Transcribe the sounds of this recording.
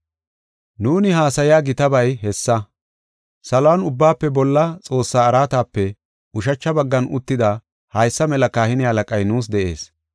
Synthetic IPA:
nuːnɪɦaːsɐjɪjaːɡɪt̪ɐbɐjɦɛsːɐ | sɐlʊwanʊbːaːpːɛbɔlːɐt͡sʼo̞ːsːaːɾaːt̪aːpːɛ | ʊʃ̬ɐt͡ʃːɐbɐɡːɐnʊt̪ːɪd̪ɐ | hɐjsːɐmɛlɐkaːhɪnɪhɐlɐkʼɐjnuːs̬d̪ɛʔe̞ːs

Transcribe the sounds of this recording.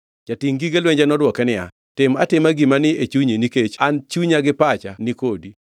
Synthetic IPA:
d͡ʒatiŋɡiɡelweɲd͡ʒanɔdwɔkɛnɪa̰ | tɪmatɪmaɡimanɪet͡ʃuɲeniket͡ʃant͡ʃuɲaɡɪpat͡ʃanɪkodi

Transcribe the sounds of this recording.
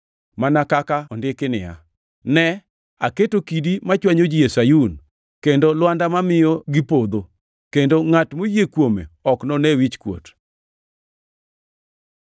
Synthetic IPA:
manakakaɔndɪkɪnɪ̰ja̰ | nɛ | aketokidimat͡ʃwaɲod͡ʒijesajun | kendolwandamamɪjɔɡɪpod̪o | kendoŋatmojekwomḛɔknɔnɛwit͡ʃkwo̰t

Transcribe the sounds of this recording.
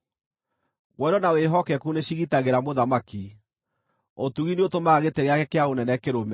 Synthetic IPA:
ɣwɛɾɔnaweɦɔkɛkuneɕiɣitaɣeɾamoðamaki | otuɣineotomaːɣeteɣeakɛkeaonɛnɛkeɾomɛ

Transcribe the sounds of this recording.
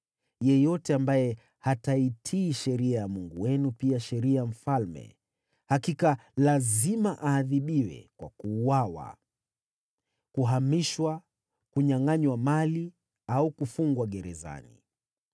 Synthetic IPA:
jɛjɔtɛambajɛ | hataitʰiːʃɛɾiajamuŋɡuwɛnupiaʃɛɾiajam̩falmɛ̰ | hakikalazimaʔaːðiɓiwɛ̰kwa̰kuːwawa̰ | kuɦamiʃwa | kuɲaŋaɲwamali | aukufuŋɡwaɠɛɾɛza̰nḭ

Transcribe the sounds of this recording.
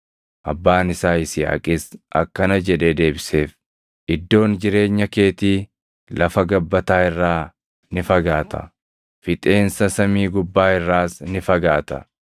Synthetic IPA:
ʔɐbːaːnɪsaːɪsɪɐ̰ːkʼɪsʔɐ̰kːɐnɐd͡ʒɛᶑeːd̪e̞ːbɪse̞ːf | ʔɪd̪ːo̞ːnd͡ʒɪɾe̞ːɲːɐke̞ːt̪iː | lɐfɐɡɐbːɐt̪aːɪrːaː | nɪfɐɡaːt̪ɐ̰ | fɪt̪ʼe̞ːnsɐsɐmiːɡʊbːaːɪrːaːsnɪfɐɡaːt̪ɐ̰

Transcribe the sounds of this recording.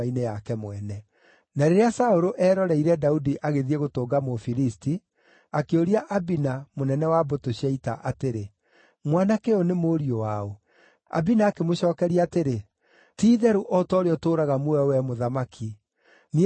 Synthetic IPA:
ainejakɛmwɛnɛ | naɾeɾeasaoɾoʔɛːɾɔɾɛiɾɛdaudiʔaɣeðieɣotoːɡamofilisti | akeoɾiaʔabinamonɛnɛwabotoɕɛitaʔateɾe | mwanakeonemoːɾiowao | a̰binaːkemoɕɔːkɛɾiaːteɾe | tiːðɛɾuʔɔtɔːɾeɔtoːɾaɣamoɛwɛmoðamakʰi | ni

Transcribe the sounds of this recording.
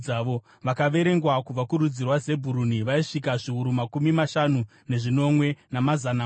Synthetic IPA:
aʋo | ʋakaʋe̞ɾe̞ŋɡwakuʋakuɾud͡zirwaze̞bʱuɾuniʋaiʂik̬aʐiuɾumakumimaʃanu | ne̞ʐino̞mwe̞namazana

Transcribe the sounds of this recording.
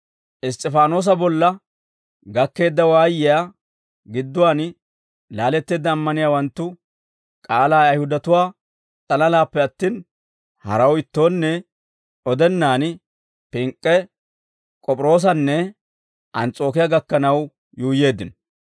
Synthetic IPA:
ʔɪst̪ʼːɛfaːno̞ːs̬ɐbɔlːɐ | ɡɐkːe̞ːd̪ːɐwaːjɪjaː | ɡɪd̪ːʊwaːn | laːlɛt̪ːe̞ːd̪ːɐːmːɐnɪjaːwɐnt̪ːʊ | kʼaːlaːɐjhʊd̪ɐt̪ʊwaː | t͡sʼɐlɐlaːpːɛɐt̪ːiːn | hɐ̰ɾɐwɪt̪ːo̞ːnːɛ | ɔd̪ɛnːaːn | pɪŋkʼːɛ | kʼɔpʼɾo̞ːs̬ɐnːɛ | ʔɐnt͡sʼo̞ːkɪjaɡɐkːɐnɐw | juːje̞ːd̪ːɪn

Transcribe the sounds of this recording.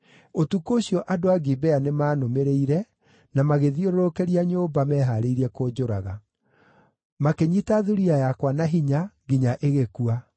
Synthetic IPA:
otukoɕjɔʔadoaɡibɛanemaːnomeɾeiɾɛ | namaɣeðioɾoɾokɛɾiaɲoːbamɛːɦaɾeiɾɛkoːd͡ʑoɾa̰ɣa | makeɲitaðuɾiajakwanaɦiɲaɡiɲaʔeɣekua

